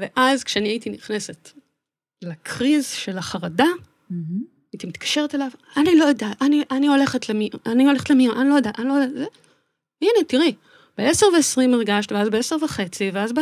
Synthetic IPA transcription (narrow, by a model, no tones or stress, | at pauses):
veʔazkʃeaniait̪iniχne̞se̞t | lekʰʁizʃe̞laχaʁada | ait̪imit̪kḁʃe̞ʁetelavanilo̞jodataniʔanio̞le̞χetlemianio̞le̞χetlemiʔanilo̞jad̪aʔanilo̞jdaze | ianet̪iʁi | b̥eeseʁveesʁimiʁɡaʃt̪veazbeeseʁvaχe̞t͡siveazb